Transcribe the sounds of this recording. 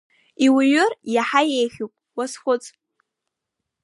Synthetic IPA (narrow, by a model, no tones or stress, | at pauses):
iwɥʊrjaħajejχʲupʼwasχʷʊt͡sʼ